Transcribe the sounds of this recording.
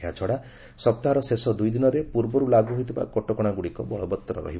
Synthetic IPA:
at͡ʃʰɔɽa | sɔp̚t̪aɦaɾɔsesɔd̪ujd̪inɔɾepuɾbɔɾulaɡuɦojt̪ʰiba̰kɔʈɔkɔɽ̃aɡuɽikɔbɔɭɔbɔt̪ːɔɾɔ̰ɾɔ̰ɦi

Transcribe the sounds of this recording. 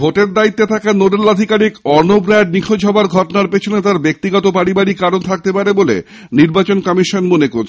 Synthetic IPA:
bʱoʈeɾd̪ait̪ːet̪ʰakanoɖelad̪ʱikaɾikɔɾnobɾaɖ̚nikʰod͡ʑʱɦɔbaɾɡʱɔʈonaɾpet͡ɕʰonet̪aɾbek̚t̪iɡɔt̪opaɾibaɽikaɾont̪ʰak̚t̪epaɾebolḛ | niɾbat͡ɕonkɔmiʃonmonekot͡ɕʰ

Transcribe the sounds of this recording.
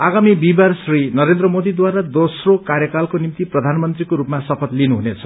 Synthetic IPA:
aɡamibibarsrinʌɾend̪rʌmod̪id̪waɾad̪osrokaɾjʌkalkonimt̪iprʌd̪ʱanmʌnt̪rikoɾupmasʌpʰʌt̪linuɦunet͡sʰʌ̥

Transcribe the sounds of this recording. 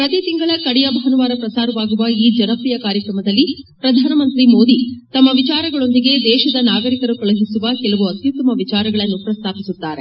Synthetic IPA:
pɾɐt̪it̪iŋɡɐɭɐkɐɽijɐbʱɐɦɐnuʋaːɾɐpɾɐsaːɾɐʋaːɡuʋɐiːd͡ʒɐnɐpijɐkaːɾjɐkɾɐmɐd̪ɐlːi | pɾɐd̪ʱaːnɐmɐnt̪ɾimo̞ːd̪it̪ɐmːɐʋit͡ʃaːɾɐɡɐɭo̞nd̪iɡe̞d̪ɛːʃɐd̪ɐnaːɡɐɾikɐɾukɐɭɐɦisuʋɐkɛlɐʋuɐt̪jut̪ːɐmɐʋit͡ʃaːɾɐɡɐɭɐnːupɾɐst̪ʰaːpisut̪ːaːɾe

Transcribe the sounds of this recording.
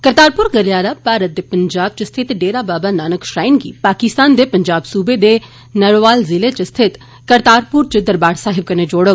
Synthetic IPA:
kəɾt̪aːɾpʊɾɡəɾjaːɾapaːɾət̪̚d̪epəɲd͡ʒaːb̚t͡ʃəst̪ʰɪt̪ɖeːɾaːbaːbanaːnəkʃɾaːɪnɡḭːpaːkɪst̪aːnd̪eːpəɲd͡ʒaːbsuːbed̪e | nəɽʋaːlzɪlet͡ʃəst̪ʰɪt̪ | kəɾt̪aːɾpʊɾt͡ʃəd̪əɾbaːɽsaːɦɪb̚kəned͡ʒoːɽə

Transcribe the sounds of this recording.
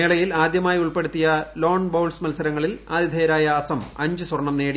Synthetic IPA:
eːɭɐjilaːd̪jɐmaːjiuɭpe̞ɽut̪ːijɐlo̞ːɳbowlsmɐlsɐɾɐŋːɐɭilaːd̪ʱjid̪ʱeːjɐɾaːjɐːsɐmɐɲd͡ʑɨswɐrɳːɐmneːɽi

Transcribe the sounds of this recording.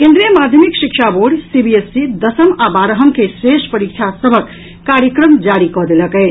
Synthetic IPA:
kẽnd̪ɾijəmad̪ʱjəmikʃikt͡ʃʰaboɖsibiesːid̪əsəmabaɾəɦəmkesɾesʈpəɾik̚t͡ʃʰasəbʱəkː | aɾjəkɾəmd͡ʒaɾikɔɦd̪eləkɛɪt͡ʃʰ

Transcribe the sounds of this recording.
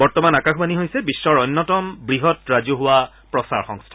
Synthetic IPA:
bɔɹtɔmanakaxʰmaniɦojsɛbisːɔɹɔjnːɔtɔmbɹiɦɔtɹazuɦʊwa | pɹɔsa̰ɹxɔ̰̃ŋstʰa

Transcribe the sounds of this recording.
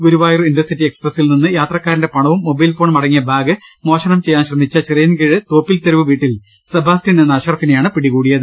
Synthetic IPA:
ɡuɾuʋaːjrindɐsitːieksprɐsilninːɨjaːt̪rɐkːaːɾindepɐɳɐʋumːo̞bɐjlfo̞ːɳmɐɽɐŋːijɐbʱaːɡɨmo̞ːɕɐɳɐmt͡ɕe̞jːaːnɕrɐmːit͡ɕːɐt͡ɕerijɐnkiɻɨt̪o̞ːpːilt̪eɾɐʋɨʋiːʈːil | sɐbʱaːstinenːɐɕɐrɐfinejaːɳɨpiɽikuːɽijɐðɨ

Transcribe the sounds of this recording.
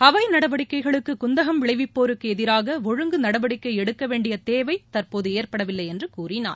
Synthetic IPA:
ɐʋɐɪnɐɽɐʋɐɽɪkːɐɪɣɐɭɯkːɯkʊnd̪ɐɣɐmʋɪɭɐɪʋɪpːoːɾɯkːɯɛðɪɾaːɣɐʋɔɻɯŋɡɯnɐɽɐʋɐɽɪkːɐɪɛɽɯkːɐʋeːɳɖɪjɐt̪eːʋɐɪt̪ɐrpoːðɯeːɾpɐɽɐʋɪlːɐɪɛndrɯkuːrɪna̰ːɾ

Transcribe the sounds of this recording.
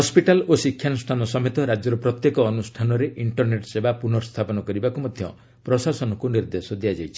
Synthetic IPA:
ɦɔspiʈalosikʰːjanusʈʰanɔsɔmet̪ɔɾad͡ʒɔɾupɾɔt̪jekɔːnusʈʰanɔɾeʔiɳʈɔɾneʈsebapunɔɾst̪ʰapɔnɔkɔɾibakumɔd̪ʱjɔ̰ | pɾɔsasɔnɔkuniɾd̪esɔd̪ijad͡ʒajt͡ʃʰi̥

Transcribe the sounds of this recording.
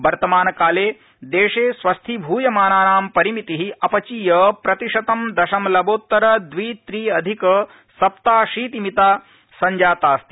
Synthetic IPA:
ʋɐɾt̪ɐmaːnɐkaːleː | d̪eːʂeːsʋɐst̪ʰibʱuːjɐmaːnaːnaːmpɐɾimit̪iɦiɐpɐt͡ʃijɐpɾɐt̪iʂɐt̪ɐmd̪ɐʃɐmlɐboːt̪ːɐɾɐd̪ʋiːt̪ɾiːɐd̪ʱikɐ | sɐpt̪aːʃiːt̪imit̪aː | sɐɲd͡ʒaːt̪aːst̪i̥

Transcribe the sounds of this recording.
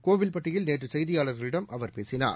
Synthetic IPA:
koːʋɪlpɐʈːɪjɪlneːʈrɯsɐjðɪjaːlɐɾɣɐɭɪɽɐmʔɐʋɐɾpeːsɪna̰ːɾ

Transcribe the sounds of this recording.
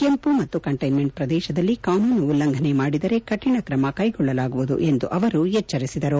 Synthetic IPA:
ke̞mpumɐt̪ːukɐɳʈɐjnme̞ɳʈ̚pɾɐd̪ɛːʃɐd̪ɐlːikaːnuːnuulːɐŋɡʱɐne̞maːɽid̪ɐɾe̞kɐʈiɳɐkɾɐmɐkɐjɡɔɭːɐlaːɡuʋud̪ṵʔe̞nd̪uʔɐʋɐɾujɛt͡ʃːɐɾisid̪ɐɾu

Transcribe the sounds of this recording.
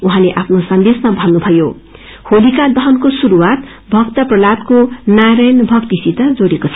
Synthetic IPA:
uɦãleʔapʰnosʌnd̪esmabʱʌnːubʱʌjo | holikad̪ʌɦʌnkosuɾuwat̪ | bʱʌkt̪ʌprʌlat̪konaɾʌjnbʱʌkt̪isit̪ʌd͡zoɽekot͡sʰʌ

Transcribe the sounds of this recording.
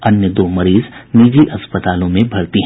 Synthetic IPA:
ɐnjəd̪oːmɐɾiːzniːd͡ʒiʔɐspət̪aːlõmẽbʱɐɽt̪iɦ

